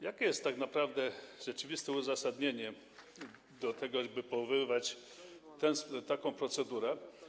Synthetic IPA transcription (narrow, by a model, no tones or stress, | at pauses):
jakʲɛjɛst̪ːaknapɾavd̪ɛʐɛt͡ʂɘvʲist̪ɛuzasad̪ɲeɲɛ | d̪ɔt̪ɛɡɔbɘpɔvɘvat͡ɕ | t̪ɛnst̪akɔ̃w̃pɾɔt̪sɛd̪uɾɛ